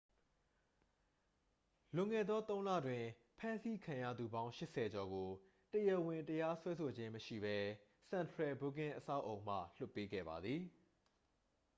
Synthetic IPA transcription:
lʊ̃˨ŋɛ̰˦˨d̪ɔ˦t̪õ˦ʊ̃lä̰˦˨dwɪ̃˨ | pʰã˦nsi˦kʰã˨jä̰˦˨d̪u˨bã˦ʊ̃ʃɪ˦ʔsɛ˨d͡ʑɔ˨ɡo˨ | təjɛ˦˨wɪ̃˨ntəja˦swɛ˦sʰo˨d͡ʑɪ̃˦məʃḭ˦˨bɛ˦ | sã˨ntʰɹɛ˨bo˦˨k̬ɪ̃˦ʔəsa̰˦˨ʊʔõ˨ʊ̃m̥ä̰˦˨l̥ʊ˦pːe˦ɡɛ̰˦˨ba˨d̪ði˨

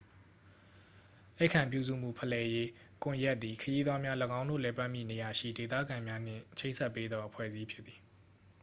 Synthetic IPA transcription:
la˦ɪkʰã˨mpjṵ˦˨zṵ˦˨m̥ṵ˦˨pʰəlɛ˨je˦ | kʊ̃˨ja˦ʔt̪̚ːi˨kʰəji˦d̪wa˦mja˦ləɡã˦ʊ̃ndo̰˦˨lɛ˨pa˦ʔmjḭ˦˨ne˨ja˨ʃḭ˦˨de˨t̪ä̰˦˨ɡã˨mja˦n̥ɪ̰̃˦˨t͡ɕʰe˦ɪʔnsʰɛ˦˨pːe˦d̪ðɔ˦ʔəpʰwɛ̰˦˨zi˦pʰjɪ˦t̪t̪ːi˨

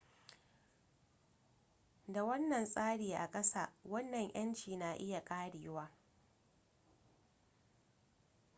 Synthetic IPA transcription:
da˨wɐ˦nːɐ˨nsʼaː˦ɽiː˨ʔa̰˨kʼɐ˦sa̰ː˦˨wɐ˦nːɐ˨ɲj̰ɐ˦nt͡ʃiː˨na˨ʔɪ˦ja˨kʼaː˦ɽiː˨˦waː˦

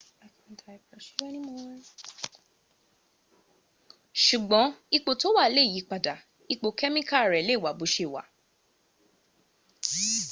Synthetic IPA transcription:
a˨ka˨˧n̩˦ta˧i˨pɾɛ˨ʃi˨˦ɾa˦nĩ˦mɔ̃˧˦ | ʃu˨ɡ͡bɔ̃˨˦i˧k͡po˧˨to˦wa˦˨le˦˨ji˨˦k͡pa˨da˨ | i˧k͡po˨˧kɛ˦mĩ˦ka˦˨ɾɛ˨le˦˨wa˨˦bu˨˦ʃe˦˨wa̰˨˦

